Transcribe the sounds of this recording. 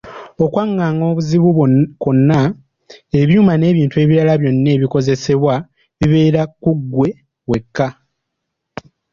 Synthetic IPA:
o̞kwaŋːaŋɡo̞ːβuziβukonːa | e̞βjuːmane̞ːβiːntue̞ːβiɾalaβjo̞nːe̞ːβiko̞ze̞se̞βwa | βiβe̞ːɾakuɡːwe̞ | βwe̞kːa

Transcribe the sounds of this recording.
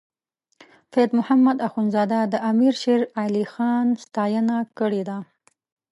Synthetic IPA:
fed̪mʊhamːad̪axunzɑd̪ad̪əʔamiɾʃeɾalixɑnst̪ɑjənakəɽed̪a

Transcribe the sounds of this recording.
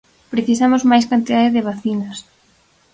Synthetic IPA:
pɾeθisamozmajs̬kant̪iðaðeðɪβaθinɐs

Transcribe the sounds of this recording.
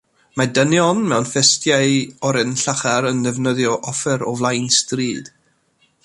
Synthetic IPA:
madənjɔnmɛwnfɛstjaɨɔɾɛnɬaχaɾənðɛvnəðjɔʔɔfɛɾɔvlˠajnstriːd̥

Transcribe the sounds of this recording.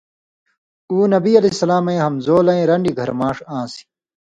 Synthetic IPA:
uːnɐbiːɐlɐsɐlaːmɐ̃ẽːɦɐmzoːlɐ̃ẽːɾɐɳɖiɡʱɐɾmãːʂãːsi̥

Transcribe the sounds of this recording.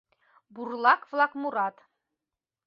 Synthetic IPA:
burlˠɑkvlˠɑkmuɾɑt̪

